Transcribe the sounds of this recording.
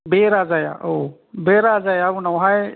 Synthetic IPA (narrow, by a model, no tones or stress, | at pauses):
beːɾaːzaja̰ːʔo | beːɾaːzaːjaːʋunɐwɦae